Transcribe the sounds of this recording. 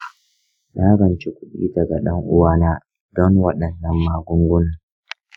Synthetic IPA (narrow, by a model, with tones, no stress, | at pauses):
naː˦ɡɐ˨nt͡ʃe˦kʷʊ˦ɗḭː˦dɐ˨ɡa˨ɗɐ˦ŋʔʊ˦waː˦naː˦ | dɔ˦ŋwɐ˦ɗɐ˨nːɐ˦mːaː˦ɡʷʊ˦ŋɡʷʊ˦na˨